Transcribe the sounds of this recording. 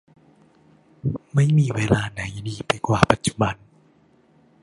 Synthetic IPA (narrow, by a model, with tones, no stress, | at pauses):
ma˥˨jmiː˧˩weː˧laː˧na˩˦jdiː˧˩pa˧jkwaː˨˩pa˨˦t̪̚t͡ɕu̥˧˦ba˧n